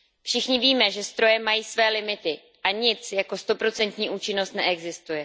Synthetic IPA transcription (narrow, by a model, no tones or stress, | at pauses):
fʃɪxɲɪviːmɛʒɛst̪ɾo̞jɛmajiːsvɛːlɪmɪt̪ɪ | ʔaɲɪt͡sjako̞st̪o̞pɾo̞t͡sɛnt̪ɲiːʔuːt͡ʃɪno̞st̪nɛ̰ʔɛɡzɪst̪ujɛ